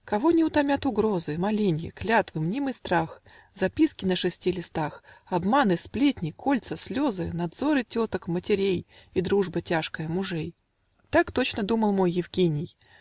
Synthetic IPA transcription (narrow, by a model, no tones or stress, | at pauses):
kɐvo̞nʲɪʊt̪ɐmʲat̪ʊɡɾo̞zɨmɐlʲinʲjɪ̰klʲat̪vɨmnʲimɨst̪ɾax | zɐpʲiskʲɪnəʂɨsʲtʲilʲɪst̪axɐbmanɨsplʲetʲnʲɪkʰo̞lʲt̪səsʲlʲo̞zɨnɐd̪zo̞ɾɨtʲo̞t̪əkmətʲɪɾʲejid̪ɾuʐbətʲaʂkəjəmʊʐɛj | t̪akt̪o̞t͡ɕnəd̪uməlˠmo̞jːɪvɡʲenʲɪj